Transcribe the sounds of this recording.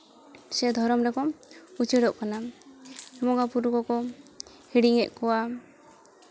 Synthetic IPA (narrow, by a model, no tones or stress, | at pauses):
sɛd̪ʱɔɾɔmɾɛkɔmut͡ʃɛɽɔʔkana | mɔŋɡapuɾukɔkɔ | hiɽiŋɛʔkɔwa